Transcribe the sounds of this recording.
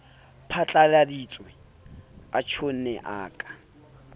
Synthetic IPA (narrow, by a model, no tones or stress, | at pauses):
pʰat͡ɬʼaladit͡sʼwɛ | at͡ʃʰon̩nɛʔa̰ːkʼḁ